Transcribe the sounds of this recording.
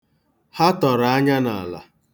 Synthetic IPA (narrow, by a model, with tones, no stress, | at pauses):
ha˦tɔ˨ɾa˨a˦ɲa˦na̰˨la̰˨